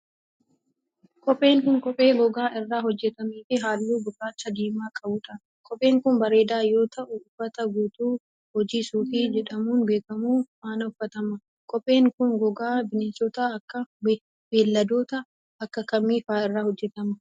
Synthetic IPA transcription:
kʼɔpʼːe̞ːŋkʊŋkʼɔpʼːe̞ːɡɔɡaːʔɪrːaːɦɔd͡ʒːɛt̪ɐmiːfɪɦaːlːuːbʊkːaːt͡ʃːɐd̪iːmaːkʼɐbʊᶑ̪ɐ | kʼɔpʼːeːŋkʊnbɐɾe̞ːd̪aːjo̞ːt̪ɐʔʊːfːɐt̪ɐɡuːt̪uː | hɔd͡ʒiːsuːfɪd͡ʒɛᶑɐmuːnbe̞ːkɐmuːfaːnɐʊfːɐt̪ɐmɐ | kʼɔpʼːe̞ːŋkʊnɡɔɡaːbɪnesɔt̪ɐɐkːɐb | beːlːɐd̪oːt̪ɐ | ɐkːɐkɐmːiːfaːɪrːaːhɔd͡ʒːɛt̪ɐmɐ

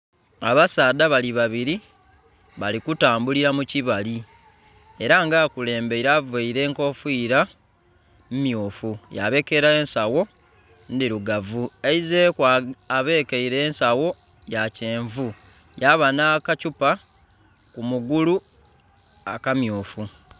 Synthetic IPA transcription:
a̰βasaːdaβaliβaβiɾi | βalikutaːmbuliɾamuciβali | e̞ɾaŋɡaːkule̞ːmbe̞iɾaveiɾe̞ːŋko̞fwiːɾa | mumjuːfuja̰βe̞ːke̞ɾaensawo̞ | ndiɾuɡavueizekaβe̞ːkeiɾeːnsawo̞ | jace̞ːɱvu | jaβanakacupa | kumuɡulu | a̰kamjoːfu

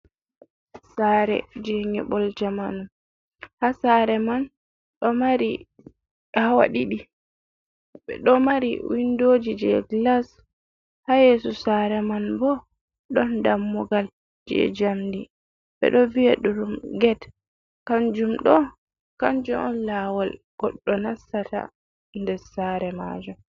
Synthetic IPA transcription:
saːɾɛ̰d͡ʒɛŋɛ̰bɔld͡ʒamanum | hasaɾɛman | ɗɔmaɾi | hawa̰ɗiɗi | ɓɛ̰ɗɔmaɾḭwindod͡ʒid͡ʒɛ̰ɡlas | hajesusaɾɛmanbɔ | ɗɔndamːɔɡal | d͡ʒɛ̰d͡ʒamdi | ɓɛ̰ɗɔviaɗuɾumɡɛt | kaɲd͡ʒumɗɔ | kaɲd͡ʒumɔnlawal | ɡ̥ɔɗːɔnasːata̰ | ndɛɾsaɾɛma̰d͡ʒu

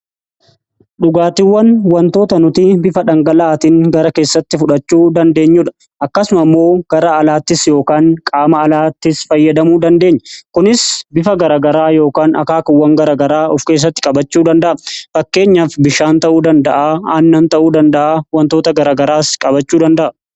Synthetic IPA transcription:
ᶑʊɡaːt̪ɪwːɐnwɐnt̪o̞ːt̪ɐnʊt̪ibɪfɐᶑɐŋɡɐlɐaːt̪iːŋɡɐɾɐke̞ːsːɐt̪ːɪfʊᶑɐt͡ʃːuːd̪ɐnd̪e̞ːɲːuᶑɐ̥ | ʔɐkːɐsʊmɐmːo̞ːɡ̥ɐɾɐːlaːt̪ːɪsjo̞ːkaːŋkʼaːmɐːlaːt̪ːɪsfɐjːɐd̪ɐmuːd̪ɐnd̪e̞ːɲːɐkʊnɪsbɪfɐɡɐɾaːɡɐɾaːjo̞ːkaːnʔɐ̰kaːkɐwːɐŋɡɐɾaːɡɐɾaːɔfke̞ːs̬ːɐt̪ːɪ̥kʼɐbɐt͡ʃːuːd̪ɐnd̪ɐʔɐfɐkːe̞ːɲːafbɪʃaːnt̪ɐʔuːd̪ɐnd̪ɐʔaːaːnːɐnt̪ɐʔuːd̪ɐnd̪ɐʔaːwɐnt̪o̞ːt̪ɐɡɐɾaːɡɐɾaːskʼɐbɐt͡ʃːuːd̪ɐnd̪ɐʔɐ

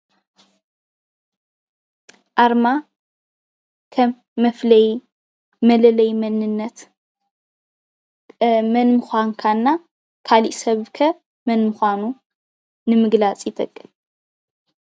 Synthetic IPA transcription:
ʔaɾma | kʰɐː | ɐflɐj | mɐlɐlɐjmɐnɨnːɐt̪ | mɐnmɨxʷaŋkʰanːa | kʰaliʔsɐβkʰɐ | mɐnmɨxʷanu | nɨmɨɡlat͡sʼjɪt̪ʰʼɐkʼːɨn

